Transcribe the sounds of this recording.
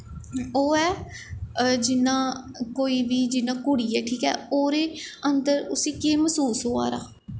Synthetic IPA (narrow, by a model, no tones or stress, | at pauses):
oːɛː | d͡ʒɪnãː | koːiːʋiːd͡ʒɪnãːkʊɽiːɛːʈʰiːkɛ̰ːoːɾeːənd̪əɾʊsĩːkeːməsuːsɦoːa̰ːɾa̰ː